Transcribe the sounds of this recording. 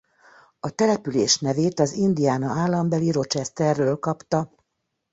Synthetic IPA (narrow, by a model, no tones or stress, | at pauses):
ɒt̪ɛlɛpyleːʃnɛveːt̪ɒzind̪ijaːnɒaːlːɒmbɛliɾo̞t͡ʃɛst̪ɛrːøːlkɒpt̪ɒ